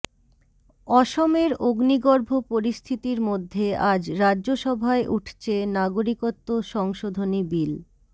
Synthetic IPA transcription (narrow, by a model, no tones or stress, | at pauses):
ɔʃomeɾoɡniɡoɾbʱopoɾist̪ʰit̪iɾmod̪ʱːead͡ʑɾadːʑoʃɔbʱaeʔuʈʰt͡ɕʰenaɡoɾikot̪ːoʃɔŋʃod̪ʱonibil